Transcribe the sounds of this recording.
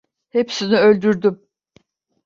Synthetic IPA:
he̞psiniø̞lʲd̪yɾd̪ym

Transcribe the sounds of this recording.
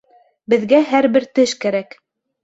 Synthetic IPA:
bɘ̆ðɡæɦæɾbɘɾt̪ɘʃkæɾæk

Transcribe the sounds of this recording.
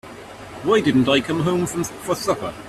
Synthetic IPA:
waɪdɪdⁿn̩taɪkʰʌ̃mɦõʊ̃ɱfɹə̃mfəsʌpə̰

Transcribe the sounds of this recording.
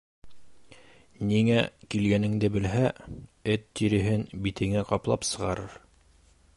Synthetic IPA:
niŋækilɡænɘ̆ŋd̪ɘbɘ̆lɦæɘt̪ːiɾɘ̆ɦɘnbit̪ʰɘ̆ŋæqɑplˠɑ̰psɤ̆ʁɑɾɤɾ

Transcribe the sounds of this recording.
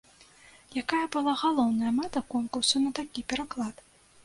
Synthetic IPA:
jakajɐbɨlˠaɣalˠɔwnɐjɐmat̪ɐkɔnkursunɐt̪akʲipʲɛɾaklˠat̪

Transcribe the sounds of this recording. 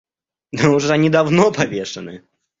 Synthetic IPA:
nɛuʐanʲid̪awnɔpʰavʲɛʂɐnɨ

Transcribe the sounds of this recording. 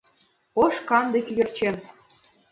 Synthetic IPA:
oʃkɑnd̪ĕkʲyɣɘ̆rt͡ɕen

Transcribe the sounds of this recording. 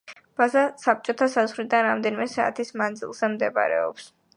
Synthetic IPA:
b̥azasap̚t͡ʃʼɔt̪ʰasazʁlid̪anɾamd̪ɛnimɛsaːt̪ʰismand̪zḭlˠz̥ɛmd̪ɛba̰ɾɛ̰ɔ̰ps

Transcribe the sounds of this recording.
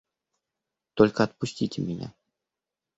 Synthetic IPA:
t̪olʲkəɐt̪̚pʊsʲtʲitʲɪmʲɪnʲa̰

